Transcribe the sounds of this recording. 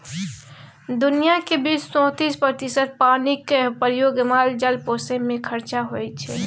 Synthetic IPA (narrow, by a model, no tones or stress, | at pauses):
d̪ʊnijakebit͡ʃsɔ̃ːt̪iːspət̪isəɾ̚paːnikpɾjoːɡmaːld͡ʒəlpoːsẽmẽkʰəɾt͡ʃaɦoɛt͡ʃʰɛː